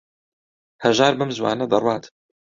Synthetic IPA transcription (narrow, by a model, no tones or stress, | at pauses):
hɐʒaːɾbɐmzwa̰ːnɐd̪ɐrwaːt̪